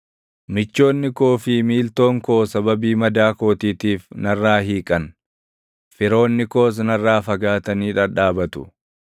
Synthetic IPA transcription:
mɪt͡ʃːo̞ːnːɪko̞ːfiːmiːlt̪o̞ːŋko̞ːsɐbɐbiːmɐd̪aːko̞ːt̪iːt̪iːfnɐrːaːɦiːkʼɐn | fɪɾo̞ːnːɪko̞ːs̬nɐrːaːfɐɡaːt̪ɐniːᶑɐᶑaːbɐt̪ʊ̥

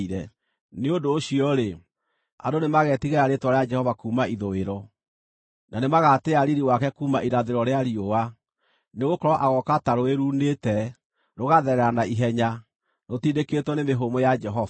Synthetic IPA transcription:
ɾɛ | neodoːɕiɔɾe | a̰donemaɣɛtiɣeɾaɾetwaɾead͡ʒɛhɔvakuːmaiðoeɾɔ | nʔanemaɣateaɾiɾiwakɛkuːmaʔiɾaðeɾɔɾeaɾiowa | neɣokɔɾwɔʔaɣɔkataɾoeɾunetɛ | ɾoɣaðɛɾɛɾanaiɦɛɲa | notideketwɔnemeɦomojad͡ʒɛɦɔva

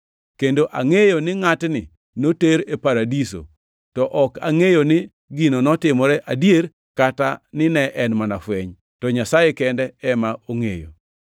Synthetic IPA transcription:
kendoʔaŋejonɪŋatnɪ̰ | noteɾepaɾadiso̰ | tɔʔɔka̰ŋejonɪ | ɡinonɔtɪmɔɾɛʔadjeɾ | katanɪnɛʔɛnmanafweɲ | tɔɲasajekɛndɛɛmaoŋḛjo̰

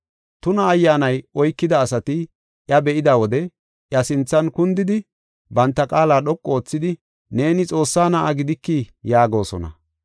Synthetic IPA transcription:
t̪ʊnɐːjːaːnɐjʔɔjkːɪd̪ɐːsɐt̪ɪ | ʔjɐbɛʔɪd̪awɔd̪ɛ | ʔjɐsɪnt͡sːɐnkʊnd̪ɪd̪ɪ | bɐnt̪ːɐkʼaːlaːɗɔkʼːo̞ːt͡sːɪd̪ɪ | ne̞ːnɪt͡sʼo̞ːsːaːnɐʔaɡɪd̪ɪkːijaːɡo̞ːsɔ̰nɐ̰

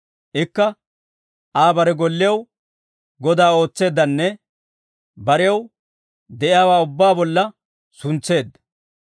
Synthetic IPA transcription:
ʔɪkːɐ | ʔaːbɐɾɛɡɔlːɪjɐw | ɡɔd̪aːo̞ːt͡sːe̞ːd̪ːɐnːɛ | bɐɾɪjɐw | d̪ɛʔɪjaːwaːʊbːaːbɔlːɐ | sʊnt͡sːe̞ːd̪ːɐ̥

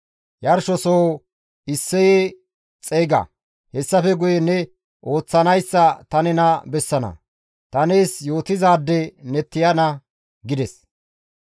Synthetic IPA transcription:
jɐɾʃɔsoː | ɪsːɛje | t͡sʼeːɡɐ̰ | hɛsːɐfɛɡʊjɛnːɛ | ʔo̞ːt͡sːɐnɐjsːɐt̪ɐnɪnɐbɛsːɐnɐ̰ | t̪ɐneːsjo̞ːt̪ɪzaːd̪ːɛnɛt̪ːɪjɐnɐ | ɡɪd̪ɛs

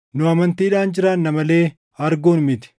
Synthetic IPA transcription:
nʊɐmɐnt̪iːᶑaːnd͡ʒɪɾaːnːɐmɐle̞ː | ɐɾɡoːnmɪt̪ɪ̥

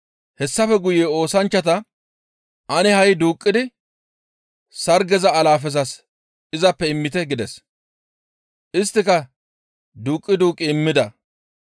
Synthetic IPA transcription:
hɛsːɐfɛɡʊjeːo̞ːsɐnt͡ʃːɐt̪ɐ | ʔɐnɪhɐjd̪uːkʼːɪd̪ɪ | sɐɾɡɛzɐːlaːfɛzɐs | ɪzɐpːɛɪmːɪt̪ɛɡɪd̪ɛs | ʔɪst̪ːɪkɐ | d̪uːkʼːɪd̪uːkʼːɪɪmːɪd̪ɐ

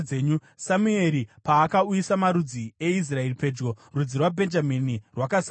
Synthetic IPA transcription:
eɲu | samue̞ɾipaːkaujisamaɾud͡zie̞is̬rae̞ripe̞d͡ʒɡo̞rud͡zirwabʱe̞nd͡ʒaminirwakas

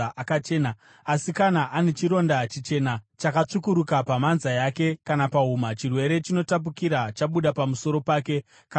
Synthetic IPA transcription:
ʔakat͡ʃeːna | asikanaʔane̞t͡ʃiɾo̞ndat͡ʃit͡ʃe̞nat͡ʃakat͡ʂukuɾukapamanzajaːke̞kanapaɦumat͡ʃirwe̞ɾe̞t͡ʃino̞tap̬ukiɾat͡ʃaɓuɗapamuso̞ɾo̞paːke̞ | ka

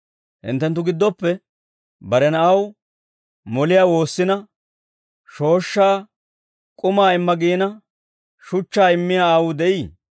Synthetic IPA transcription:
hɪ̰nt̪ːɛnt̪ːʊɡɪd̪ːɔpːɛ | bɐɾɛnɐʔɐw | mɔlɪjaːwo̞ːsːɪnɐ | ʃo̞ːʃːaː | kʼʊmaːɪmːɐɡiːnɐ | ʃʊt͡ʃːaːɪmːɪjaːaːwʊd̪ɛʔiː

